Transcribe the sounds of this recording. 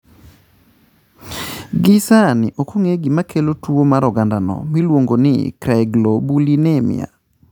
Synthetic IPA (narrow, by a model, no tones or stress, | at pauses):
ɡɪsanɪʔokʰoŋeɡimakʰelotuomaɾɔɡandanɔ̰milwoŋɡonɪ̰kɾɛɡlobulinɛmɪ̰a̰